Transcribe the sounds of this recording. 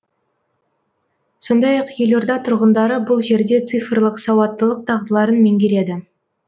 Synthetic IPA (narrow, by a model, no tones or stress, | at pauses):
so̞nd̪ɑjɑqjelo̞ɾd̪ɑt̪ʰʊɾʁənd̪ɑɾəbʊlˠʒe̞ɾd̪e̞t̪sɨjfrlˠəqsɑwɑt̪ːəlˠəq̚t̪ʰɑʁd̪əlˠɑɾənmeŋɡʲeɾe̞d̪ɪ